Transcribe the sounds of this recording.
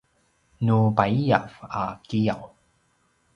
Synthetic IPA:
nubaija̰vakijaw

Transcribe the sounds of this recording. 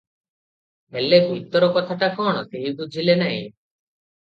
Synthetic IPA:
ɦeleɡujt̪ːɔɾɔkɔt̪ʰaʈakɔɽ̃ɔseɦid̪ud͡ʒʱilenaɦḭ̃

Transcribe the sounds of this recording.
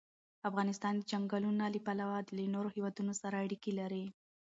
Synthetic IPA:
afɣɑnɪst̪ɑnd̪əd͡ʒaŋɡɑlunɑlipalawɑd̪əlenoɾohewɑd̪unosaɾaːɽikilaɾi

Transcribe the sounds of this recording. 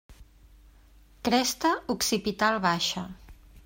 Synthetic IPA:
kɾɛst̪əuksipit̪alˠβaʃə

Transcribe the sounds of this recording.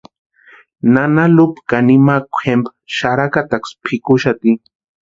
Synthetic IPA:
nanalupkanimakʷxempʃaɾakat̪akspʰikʊʃat̪i

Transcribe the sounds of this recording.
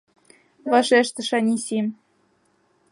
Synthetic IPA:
βɑʃeʃt̪ə̆ʃɑnʲisim

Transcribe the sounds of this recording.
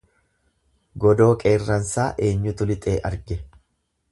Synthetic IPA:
ɡɔd̪o̞ːkʼeːrːɐnsaːʔe̞ːɲːʊt̪ʊlɪt̪ʼeːʔɐɾɡɛ

